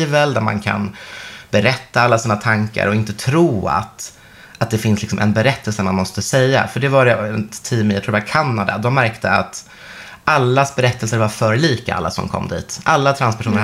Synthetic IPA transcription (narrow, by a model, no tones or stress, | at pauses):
vəld̪æɾma̰nkʰa̰nbɛɾɛt̪ːaalːasiːnat̪ʰaŋka̰ɾɔɪnt̪ət̪ʰɾuːa̰t̪ | ʔat̪̚d̪ɛfɪnslɪksɔmʔɛ̰nbɛɾɛt̪ːəlsəmanmɔst̪əsɛjːa̰fœɖɛvaɾɛɛnt̪ʰiːmjat̪ɾuːd̪bakʰanːad̪a̰d̪ɔmːæɾkt̪ʰəa̰t̪ | alːasbɛɾɛt̪ːəlsəɾvaɾfœːɾɭiːka̰ʔa̰lːa̰sɔ̰mkʰɔ̰mːd̪ḭːt̪ʔalːat̪ʰɾanspɛæʂuːnəɾ